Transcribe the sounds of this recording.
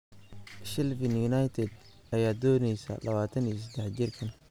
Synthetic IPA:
ʃɪlvɪnjunɐjt̪ʰɛd̪ | ʔɐjaːd̪ɔːnɛjsɐ̰lʔɐβaːt̪ʰɐnis̬ɐd̪ɛħt͡ʃɪrkʰɐn

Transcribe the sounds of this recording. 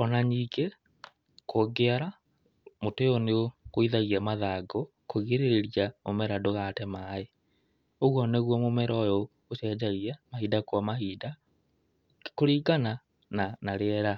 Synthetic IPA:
ɔnaɲikʰe | kʰoɡeaɾa | moteɔneokoiðaɣiamaðaɡɔ | koɣeɾeɾeɾjamomɛɾadoɣatɛmae | oɣwɔnɛɣwɔmomɛɾɔjɔ | ɣoɕɛd͡ʑaɣjamahidakwamahida | koɾiːɡana | nanaɾeɛɾa

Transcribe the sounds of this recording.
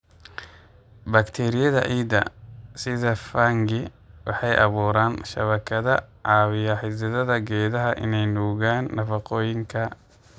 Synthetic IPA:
bɐkt̪ʰɛːɾɪjɐðɐ̰ʔiːd̪ɐ̰sɪðɐfaːŋɡɪ | wʔɑħɑjʔɑβuːɾaːnʃɐ̰βɐkʰɐðɐʕɑːβɪjɐħɪsɐðɐðɐɡɛːðɐɦɐʔɪ̰nɛjnuːɣaːnːɐfɑqɔːjɪŋkʰɐ

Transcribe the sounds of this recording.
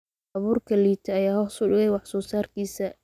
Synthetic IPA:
ɑβuːrkʰɐliːt̪ʰɐːjaːɦɔːsʊɖɪɣɛjwɑħsɔːsaːrkʰiːsɐ

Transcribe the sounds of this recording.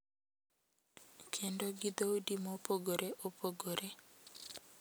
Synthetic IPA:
kʰendoɡid̪oodimopoɡoɾeʔopʰoɡoɾe

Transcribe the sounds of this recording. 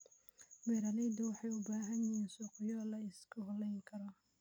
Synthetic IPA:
wɛːɾɐlɛjd̪ɐwɑħɑjʊbaːɦɐnjɪhiːnsuːqɪjɔlɐɪskʰʊɦlɛjŋkʰɐɾɔ

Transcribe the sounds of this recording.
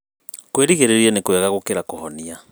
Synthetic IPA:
kweɾiɣeɾeɾiɛnekwɛɣaɣokeɾakohɔnia

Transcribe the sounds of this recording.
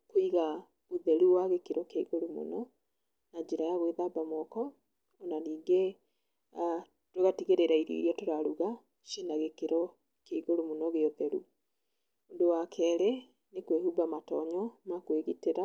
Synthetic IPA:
koiɣa | oðɛɾuwaɣekeɾɔkeiɣoɾomo̰nɔ | nad͡ʒeɾajaɣweðabamwɔkɔ | onaniːɡe | a | toɣatiɣeɾeɾaiɾḭɾiɔtoɾaɾuɣa | ʃenaɣekeɾɔ | keiɣoɾomonɔɣeoðɛɾṵ | ondowakʰɛɾe | nekwehubamatɔɲɔmakweɣiteɾa

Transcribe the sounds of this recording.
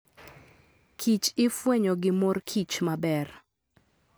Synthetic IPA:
kʰit͡ʃɪfweɲoɡɪmorkʰit͡ʃmabɛr

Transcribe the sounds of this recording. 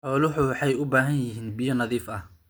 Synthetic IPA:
ʕɔːlʊɦʊwħɑjʊbaːɦɐnjɪɦiːnbɪjɔnɐðiːfɐh

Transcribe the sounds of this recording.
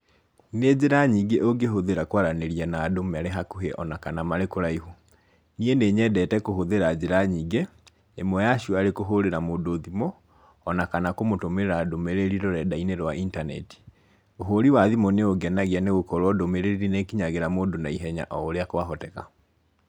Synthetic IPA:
ned͡ʑeɾaɲiɡeʔoɡeɦoðeɾakwaɾaneɾianaːdomɛaɾeɦakuɦeʔɔ̰nakanamaɾekoɾaihu | nieneɲɛdɛtɛkoɦoðeɾad͡ʑeɾaɲiɡe | emwɔjaʃuaɾekoɦoɾeɾamoːdoðimɔː | nakanakomotomeɾeɾaːdomeɾeɾiɾɔɾɛdaineɾwaʔintanɛ̰ti̥ | oɦoɾiwaðimɔneoɡɛnaɣeaneɣokɔɾwɔdomeɾeɾiɾinekiɲaɣeɾamoːdonaiɦɛɲa̰ʔɔːɾeakowaɦɔtɛka̰

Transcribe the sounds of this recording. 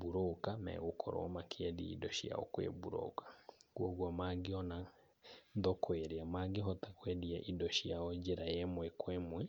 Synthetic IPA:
buɾokamɛ̰ɣokʰɔ̰ɾɔ̰ɔmakʰeaðia̰idɔʃia̰ɔ̰kwḛbuɾo̰kḁkwɔɣwamaɡeɔna | ðɔkweɾeamaɡeɦɔtakwɛðiaʔidɔʃiaɔd͡ʒeɾaɛmwɛkwɛmwɛ

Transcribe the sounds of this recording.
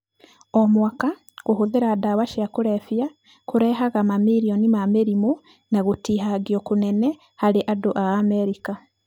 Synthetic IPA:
ɔmwaka | ɣohoðeɾadawaʃiakuɾɛfja | koɾɛɦaɣamamiɾiɔnimameɾimu | naɣotiɦaɡijɔkunɛnɛ | haɾeʔadoʔaːmɛɾika

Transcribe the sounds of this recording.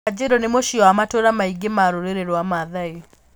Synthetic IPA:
ad͡ʑeɾɔnemoʃiɔamatoɾamaiɡemaɾoɾeɾeɾwamaðai

